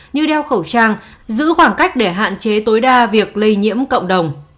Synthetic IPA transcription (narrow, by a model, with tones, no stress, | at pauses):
ɲɨ˧ɗɛ˧wxə˧˩wt͡ɕaː˧ŋzɨ̰˧˥xwaː˧˩ŋka˦˥jk̟̚ɗe˧˩ɦa̰ː˧˨nt͡ɕe˨˦t̪o˨˦jɗaː˧vi˨˩ək̚lə˧jɲḭ˧˥əmkə̰˧˨wŋ͡mɗə˨˩wŋ͡m